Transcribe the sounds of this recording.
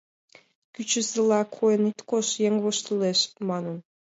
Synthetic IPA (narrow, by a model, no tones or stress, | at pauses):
kyt͡ɕəzəlɑkʰojənit̪koʃjeŋβoʃt̪əleʃmɑnən